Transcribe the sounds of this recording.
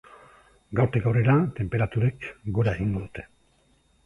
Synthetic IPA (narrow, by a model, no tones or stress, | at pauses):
ɡawɾt̪ikawreɾat̪e̞mpe̞ɾat̪uɾe̞kɡo̞ɾae̞ɣiŋɡo̞ðut̪e̞̥